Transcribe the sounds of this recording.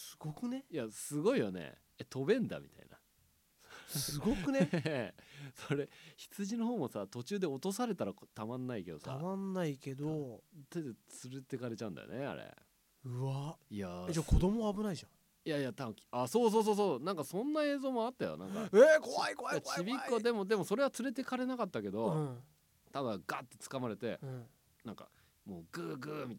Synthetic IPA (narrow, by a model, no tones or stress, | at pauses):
sɨ̥ɡ̥okɯ̟nejasɨɡo̞ijo̞ne̞̰ | et̪ʰo̞bẽ̞nd̪a̰mʲḭt̪a̰ina̰ | sɨɡokɯ̟ne | soɾe̞çi̥t͡sɨʑino̞ɦoːmo̞sat̪o̞t͡ɕɨːd̪e̞o̞t̪o̞s̬aɾe̞t̪aɾat̪amãnːaike̞d̪o̞ssa̰amãnːaike̞d̪ot̪ed̪et͡sɨɾɯt̪ːe̞kaɾe̞t͡ɕaɯ̟̃nd̪a̰jo̰nḛa̰ɾḛ | ɯβaiad͡ʑakʰo̞d̪o̞moaːbɯ̟naiʑã | jaijat̪akʲi̥asoːs̬o̞ːs̬o̞ːs̬oːnãŋkasõ̞nːae̞ːzo̞ːmo̞at̪ːajo̰nã̰ŋkaekoaikoaat͡ɕibʲikːoad̪e̞mo̞d̪e̞moso̞ɾe̞βat͡sɨɾe̞t̪e̞kaɾe̞nakat̪ːake̞d̪õ̞ | t̪abɯ̃ɡaːt̪ːe̞t͡sɨ̥kamaɾe̞t̪ẽ̞ | nãŋka̰ | moːɡɯːɡɯːmʲit̪